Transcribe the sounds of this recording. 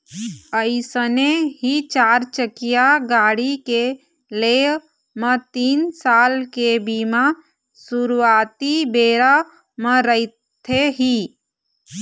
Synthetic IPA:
əɪsəneɦit͡ʃaːɾt͡ʃəkijaɡaːɽike | le | mət̪iːnsaːlkebima | suɾuaːt̪ibeɾa | məɾəɪ | t̪ʰeɦi

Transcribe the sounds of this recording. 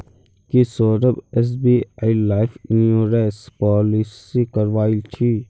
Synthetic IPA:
kisoːɾəbes̬biːaːilaːɪfnjuːɾeːspɔːlisikəɾʋaːilt͡ʃʰi

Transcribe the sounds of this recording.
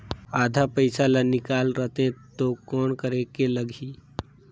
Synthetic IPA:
aːd̪ʱapəɪsalanɪkaːlɾət̪ẽt̪okɔːnkəɾekeləɡʱiː

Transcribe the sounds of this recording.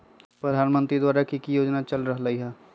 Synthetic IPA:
pɾəd̪ʱaːnmə̃nt̪ɾid̪waːɾakikijoːd͡ʒnat͡ʃəlɾəɦləiɦɛː

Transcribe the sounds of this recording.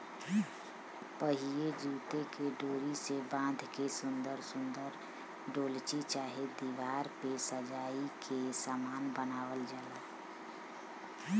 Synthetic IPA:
pəɦied͡ʒuːt̪ekeɖoːɾisebãːnd̪ʱkesʊnd̪əɾsʊ̃nd̪əɾ | ɖoːlt͡ʃit͡ʃaːɦed̪iʋaːɾpesəd͡ʒaːikesaːmaːnbənaːwəld͡ʒaːla

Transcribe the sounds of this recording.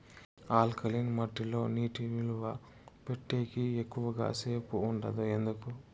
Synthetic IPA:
aːlkʰɐlinmɐʈːilo̞ːniːʈiniluʋɐ | pe̞ʈːe̞ːkiekːuʋɐɡa̰ːse̞ːpuːɳɖɐd̪ue̞nd̪uku

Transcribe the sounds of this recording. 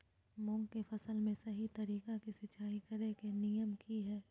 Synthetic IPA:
mʊ̃ŋɡkefʰɐsəlmẽsɐɦit̪ɐɾiːkakisɪt͡ʃaːikɐɾekenijəmkiɦɛː

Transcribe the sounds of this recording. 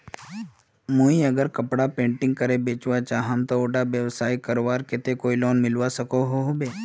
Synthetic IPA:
moːiəɡəɾkɐpɽapẽːɳʈɪ̃ŋɡ̚kəɾebeːt͡ʃʋat͡ʃaːɦãmt̪ooːʈabjəʋsaːikəɾoʋaːɾkɪt̪ekoːiloːnmɪlʋasɐkoɦoɦobeː

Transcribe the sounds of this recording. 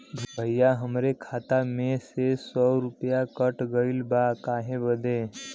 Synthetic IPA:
bʱbʱəjːaɦəmɾekʰat̪amesesɔɾupjakəʈɡəilbakaːɦẽbəd̪ʱe

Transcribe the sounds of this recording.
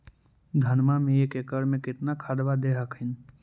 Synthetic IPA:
d̪ʱɐnmamẽekekəɾmẽkɪt̪nakʰaːd̪ʋad̪eːɦəkɦɪn

